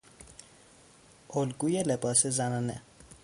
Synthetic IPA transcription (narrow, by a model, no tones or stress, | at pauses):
ʔolɡuːjelebɒːsezænɒːnḛ